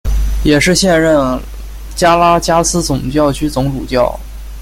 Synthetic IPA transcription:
jɛ˨˩ʂɻ̩˥˧ɕjɛ˥˧nɻə˥˩n | t͡ɕja˥la˥t͡ɕja˥sɹ̩˥t͡sʊ˨˩ŋt͡ɕjɑ˥˩ʊt͡ɕʰy˥t͡sʊ˧˥ŋʈ͡ʂu˨˩t͡ɕjɑ˥˩ʊ

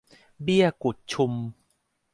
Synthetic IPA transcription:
bi˥˩əku˨˩t̪̚t͡ɕʰu˧m

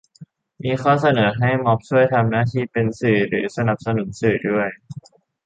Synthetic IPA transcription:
miː˧xʰɔː˥˩s̬a˧nɤː˩˦ɦa˥˩jmɔ˦˥p̚sʰu˥˩əjt̪ʰa˧mnaː˥˩t̪ʰiː˥˩pe˧nsɯː˨˩ɾɯː˩˦sa˧na˨˩p̚sa˧nu˩˦nsɯː˨˩du˥˩əj

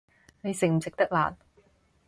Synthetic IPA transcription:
ne˨˧jsɪ˨˩ŋ̚m̩˨˩sɪ˨k̚t̪ɐ˥k̚la̰ː˨˩n

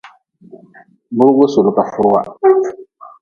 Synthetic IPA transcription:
bʊ˦ɾwo˦so˨lʊ˨ka˨fʊ˦ɾʊ˦wa̰˦

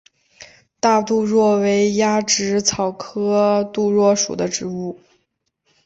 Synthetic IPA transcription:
t̪a˥˧t̪u˥˧ɻwɔ˥˩we˧˥ɪja˥ʈ͡ʂɻ̩˧˥t͡sʰɑ˨˩ʊkʰɤ˥t̪u˥˧ɻwɔ˥˩ʂṵ˨˩d̪ə˦ʈ͡ʂɻ̩˧˥u˥˩

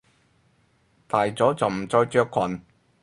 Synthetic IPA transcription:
t̪aː˨jt͡sɔː˨˥t͡sɐ˨wm̩˨˩t͡sɔː˧jt͡ʃœː˧kʰːɐ˨˩n

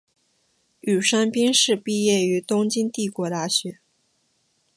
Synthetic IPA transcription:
y˨˩ʂa˥npi˥ŋʂɻ̩˥˧pi˥˧jɛ˥˩y˧˥t̪ʊ˥ŋt͡ɕi˥nt̪i˥˩kwɔ˧˥t̪a˥˩ɕɥɛ˧˥

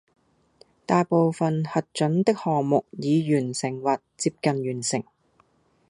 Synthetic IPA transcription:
t̪aː˨jpo˨wfɐ˨nhɐ˨t̚t͡ʃɵ˨˥nt̪ɪ˥k̚hɔː˨ŋmʊ˨k̚jiː˨˧jyː˨˩nsɪ˨˩ŋwɐ˨t̚t͡siː˧p̚kɐ˨njyː˨˩nsɪ˨˩ŋ

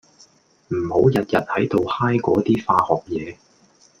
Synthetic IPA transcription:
m̩˨˩ho˨˥wjɐ˨t̚jɐ˨t̚hɐ˨˥jt̪o˨whaː˥jkɔː˨˥t̪iː˥faː˧hɔː˨k̚jɛː˨˧

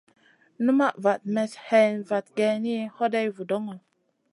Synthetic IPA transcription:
nu˦ma˦˨ʔva˨t̚mɛ˨shɛ˨nva˨t̚ɡɛ˧ni˦ho˦da˦jvu˨do˦ŋə˨

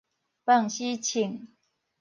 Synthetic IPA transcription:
pa˥˨ŋɕi˦t͡ɕʰi˨˩ŋ

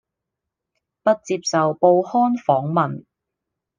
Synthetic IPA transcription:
pɐ˥t̚t͡siː˧p̚sɐ˨wpo˧whɔː˥nfɔː˨˥ŋmɐ˨n

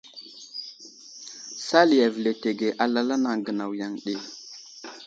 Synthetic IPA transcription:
sa˦li˨ja˨vi˨le˨te˨ɡe˨ʔa˨la˦la˦na˨ŋɡə˨na˨wja˨ŋɗe˦˨

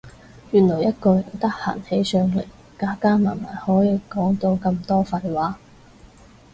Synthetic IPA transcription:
jyː˨˩nlɔː˨˩jɐ˥t̚kɔː˧jɐ˨˩ŋt̪ɐ˥k̚ha̰ː˨˩nhe˨˥jsœː˧ŋlḛ˨˩j | kaː˨˥kaː˥ma̰ː˨˩nma̰ː˨˩hɔː˨˥jiː˧kɔː˨˥ŋt̪o˧wkɐ˧mt̪ɔː˥fɐ˧jwaː˨˥

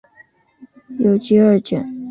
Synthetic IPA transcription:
jo˨˩ʊt͡ɕi˧˥ə˞˥˩t͡ɕɥɛ̰˨˩˦n

